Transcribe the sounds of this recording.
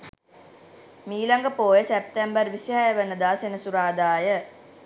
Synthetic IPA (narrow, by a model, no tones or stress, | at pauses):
miːlaŋɡəpoːjəsep̚t̪ɛmbərʋisiɦajəʋənːəd̪aːsenəsuɾaːd̪aːjə